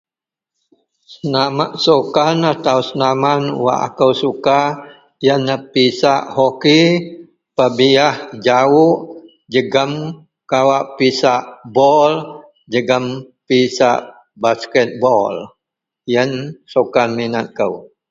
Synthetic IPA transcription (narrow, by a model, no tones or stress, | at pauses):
sənamaʔsokanat̪awsənamanwa̰ʔa̰kəwsuka | jənəpisaʔhoki | pəbiahd͡ʒawuʔ | d͡ʒəɡəm | kawaʔpisaʔbɔl | d͡ʒəɡəm | pisa̰ʔ | baskɛt̪̚bɔl | jənsokanminat̪̚kəw